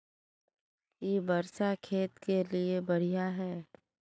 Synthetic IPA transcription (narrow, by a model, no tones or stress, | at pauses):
jeːbɐɾsakʰeːt̪keliebɐɽ̤ijaɦɛː